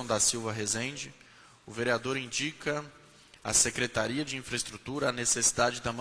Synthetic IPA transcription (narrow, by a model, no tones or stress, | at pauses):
w̃d̪ɐsiwvɐɦezẽd͡ʒɪ | ʊveɾiad̪oɾĩnd͡ʒikɐ | ɐ̰sekɾet̪aɾiɐd͡ʒɪĩfɾɐest̪ɾut̪uɾɐːnesesi̥d̪ad͡ʒɪd̪ɐmɐ̃